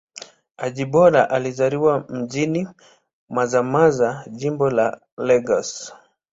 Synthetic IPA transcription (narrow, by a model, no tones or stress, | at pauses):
aʄiɓɔɾaʔalizaɾiwam̩ʄini | mazamazaʄimbɔla̰ | lɛɡas